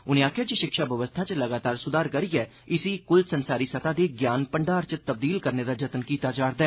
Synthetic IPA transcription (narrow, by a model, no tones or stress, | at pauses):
ʊnẽːaːkʰjaːd͡ʒiːʃɪkʃaːbəʋəst̪ʰaːt͡ʃləɡaːt̪aːɾsʊd̪aːɾkəɾiːɛː | ɪsiːkʊlsənsaːɾiːsət̪aːd̪eːɡjaːnpəɳɖaːɾt͡ʃət̪əb̚d̪iːlkəɾneːd̪aːd͡ʒət̪nkiːt̪aːd͡ʒaːɾd̪aɛː